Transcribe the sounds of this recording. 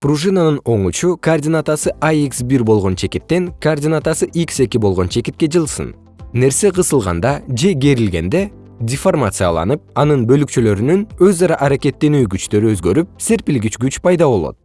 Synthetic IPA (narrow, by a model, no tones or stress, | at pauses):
pruʒɨnanɯno̞ɴut͡ʃukɐːrdʲɪnat̪asɯʔajiksbiɾbo̞lˠʁo̞nt͡ʃʰe̞kit̪ːe̞ŋkoːrdʲɪnat̪asɯʔikse̞kʲibo̞lˠʁo̞nt͡ʃʰe̞kit̪̚ke̞d͡ʒɯlˠsɯ̰n | ne̞ɾse̞qɯsɯlˠʁɑ̰nd̪ɑd͡ʒe̞ɡe̞ɾilɡe̞nd̪e̞ | dʲɪformat̪sɨja̰lˠɑ̰nɯp̚ɑnɯnbø̞lykt͡ʃylø̞ɾynynø̞zɑɾɑʔɑɾake̞t̪ːe̞nyːɡyt͡ʃt̪ø̞ɾyøzɡø̞ɾyp̚se̞ɾpilɡit͡ʃɡyt͡ʃpʰɑjd̪ɑβo̞lˠo̞̰t̪̚